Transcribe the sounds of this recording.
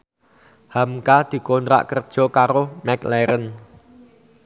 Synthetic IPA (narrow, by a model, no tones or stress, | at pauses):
hamkad̪̥i̤kont̪ɾa̰ʔkərd̥ʒ̥ɔ̤kaɾomɛklɛɾən